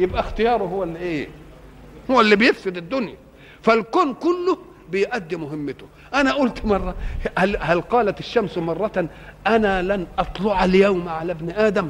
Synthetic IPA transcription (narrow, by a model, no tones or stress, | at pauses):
jɪbʔæxt̪ɪjɑːɾˤʊɦʊwːalːiʔeː | hʊwːalːibɪjɪfsɪd̪ɪd̪ːʊnja | fælkoːnkʊlːʊh | bɪjʔad̪ːimʊɦɪmːɪt̪ʊ | ʔanaʔʊlt̪mɑrˤːɑhlhælqɑːlat̪ɪʃːamsmɑrˤːɑʔanalanʔɑt̪ˤlʊʕaljawmʕalabnʔaːd̪æm